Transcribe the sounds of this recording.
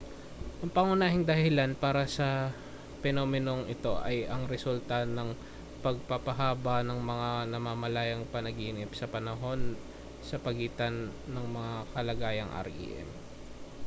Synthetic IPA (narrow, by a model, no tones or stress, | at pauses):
ʔɐŋpɐŋʊnaːɦɪŋd̪ɐhɪlanpaːɾɐsɐ | pɛno̞ːmɪno̞ŋɪt̪o̞ʔɐjʔɐŋɾɛsult̪ɐnɐŋ | pɐɡ̚papɐɦaːbɐnɐŋmɐŋanɐmamɐlaːjɐŋpɐnɐɡiːnɪpsɐpɐnɐɦo̞n | sɐpɐɡiːt̪ɐnːɐŋmɐŋakɐlɐɡaːjɐŋʔɐ̰ɾɡḭʔɛ̰m